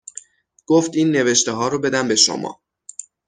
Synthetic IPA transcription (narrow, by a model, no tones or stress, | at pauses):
ɡ̥oft̪iːnːe̞ve̞ʃt̪eɦɒːɾobe̞d̪æmbe̞ʃo̰mɒ̰ː